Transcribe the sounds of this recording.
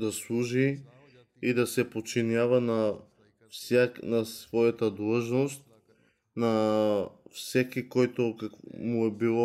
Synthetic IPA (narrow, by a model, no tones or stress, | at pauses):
d̪aslˠuʒi | id̪asɛpot͡ʃinjavana | fsanasvɔjat̪ad̪lˠəʒnost̪̚ | na | fsɛkikɔjt̪okakmuɛbilˠɔ